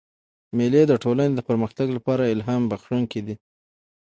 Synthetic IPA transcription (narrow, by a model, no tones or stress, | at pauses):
meled̪əʈolaned̪əpəɾməxt̪aɡlapɑɾaɪlɦɑmbaxʂuŋked̪i